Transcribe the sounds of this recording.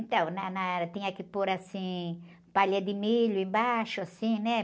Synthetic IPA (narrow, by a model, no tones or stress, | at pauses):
nt̪ɐ̃w̃nanat̪ĩɲɐkɪpoɾasĩ | paʎɐd̪ɪmiʎʊẽbaʃʊasĩnɛ